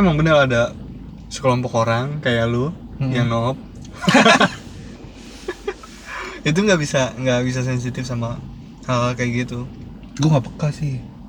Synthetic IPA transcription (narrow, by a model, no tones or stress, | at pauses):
emaŋbənəɾada | sə̥klɔmpɔkoɾaŋkajalu | jaŋnɔp̚ | it̪̬uŋɡabisaŋɡabis̬as̬ɛns̬it̪ɪfsama | akajaɡit̪u | ɡuaŋɡapəkasɪh